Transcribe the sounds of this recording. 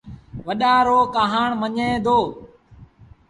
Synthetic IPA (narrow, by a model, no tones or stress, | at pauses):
ʋəɗãːɾoːkaːɦaːɳməɲẽːd̪ʱoː